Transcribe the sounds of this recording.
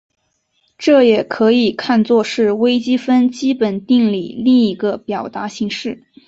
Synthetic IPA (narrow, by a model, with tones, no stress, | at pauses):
ʈ͡ʂɤ˥˩jɛ˨˩kʰɤ˧˥i˨˩kʰa˥˧nt͡swɔ˥˧ʂɻ̩˥˩we˥ɪt͡ɕi˥fə˥nt͡ɕi˥pə˨˩nt̪i˥˩˧ŋli˨˩li˥˩ŋi˧˥ɡə˧pjɑ˨˩ʊt̪a˧˥ɕi˧˥ŋʂɻ̩˥˩